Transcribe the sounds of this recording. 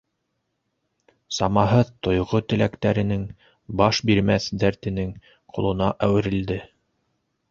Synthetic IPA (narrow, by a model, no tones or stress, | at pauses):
sɑmɑɦɤðt̪ŏjʁot̪ɘ̆lækt̪æɾɘ̆nɘŋ | bɑʃbiɾmæθd̪æɾt̪ɘ̆nɘŋ | qʰŏlˠɤ̆nɑʔæwɘ̆ɾɘ̆ld̪ɘ